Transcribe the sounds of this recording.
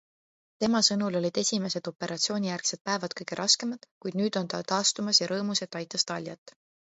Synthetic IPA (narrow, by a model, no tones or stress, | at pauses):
t̪e̞mɑsɤnulo̞lʲid̪̥e̞sʲime̞se̞d̪̥o̞pe̞ɾɑt̪sio̞ːnʲijærksed̪̥̚pæevɑd̪̥̚kɤjɡ̥e̞ɾʔɑske̞mɑd̪̥kujd̪̥nyːd̪̥o̞nt̪ɑt̪ɑːst̪umɑsjɑɾɤːmuse̞t̪ːˑɑjt̪ːˑɑst̪ɑlʲjɑt̪ːˑ